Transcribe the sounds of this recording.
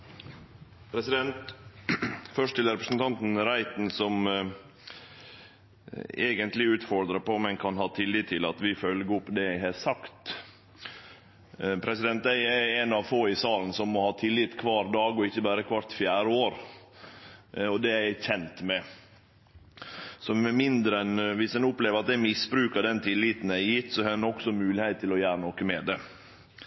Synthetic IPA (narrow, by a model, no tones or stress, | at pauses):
pʰɾɛsɪd̪ɛnt̪ | fœʂʈ̪ʰɪləɾɛpɾəsnt̪ʰɑnt̪n̩ɾæɪt̪nsɔm | eːɡənt̪lɪʉːt̪fɔɾd̪ɾəpɔmɛnkʰɑnhɑːt̪ʰɪlːɪːt̪ʰːɪlɑt̪ʋɪfœlɡəʊpːd̪ɛæɪɦɑsɑkt̪ | pʰɾɛsɪd̪ɛnt̪æɪæænɑʋfoːɪsɑːlənəsɔmmɔhɑːt̪ʰɪlːɪt̪kʰʋɑːɾd̪ɑːɡɔɪçːəbæːɾəkʰʋɑɾt̪fjæːɾəoːɾ | ɔd̪ɛææçɛnt̪mɛ | sɔmɛmɪnd̪ɾəɛnʋɪsɛnʊpleːʋəɾɑt̪̚d̪æɪmɪsbɾʉːkəɖ̪ɛnt̪ʰɪlːit̪n̩æɪjɪt̪ːsɔhɑɛnɔksɔmʉːlɪheɪt̪ʰːɪlɔjæːɾənɔkəmɛd̪ɛ